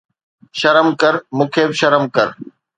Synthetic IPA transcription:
ʃɐɾəmkɐɾmũːkʰeːbɪʃɐɾəmkɐɾ

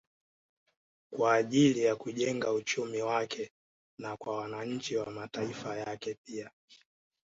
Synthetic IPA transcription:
kwaːʄilijakuʄɛŋɡaut͡ʃumiwakʰɛ | nakwawanaɲ̩t͡ʃiwamataifajakɛpia

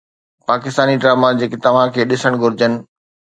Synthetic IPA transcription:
paːkɪst̪aːniɖɾaːmad͡ʑeːkɪt̪ɐʋ̤ãkʰeːɗɪsəɽ̃ɡʱʊɾɪd͡ʑənɪ̆

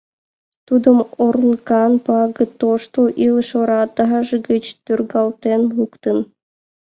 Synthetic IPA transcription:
t̪ud̪ə̆moɾənkɑnpɑɡə̆t̪oʃt̪oʔilˠʃoɾɑt̪ɑɦɑʒəɡət͡ɕt̪yrɡɑlˠt̪enlukt̪ən

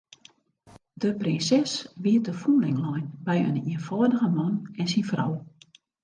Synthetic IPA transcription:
dəprɪnsɛsʋiət̚əfunlɪŋlɔjnbɛjə̰niənfɔːdəɣəmɔnɛnsinfrɔ̰w

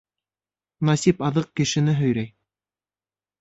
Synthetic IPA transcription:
nɑsipɑðɤq̚kɘ̆ʃɘ̆nɘɦɵ̆jɾæj

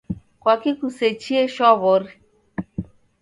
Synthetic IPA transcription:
kwakikuset͡ʃieʃɔβɔɾi

